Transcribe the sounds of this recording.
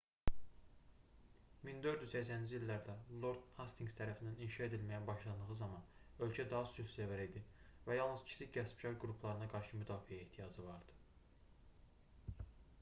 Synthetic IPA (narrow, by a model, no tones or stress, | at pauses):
mind̪ø̞ɾd̪yzsæcsænind͡ʒiilːæɾd̪ælˠo̞ɾd̪hɑst̪ʰiŋɡst̪ʰæɾæfinæninʃɑe̞d̪ilmæjæbɑʃlˠɑnd̪ɯɣɯzɑmɑn | ø̞lcʰæd̪ɑɦɑsylszævæɾid̪ivæjɑlˠnɯz̥cʰi̥siɟæspcʰɑɾɡɾupʰlˠɑɾɯnɑɡɑɾʃɯmyd̪ɑːfiæeht̪ʰijɑd͡ʒɯvɑɾd̪ɯ̥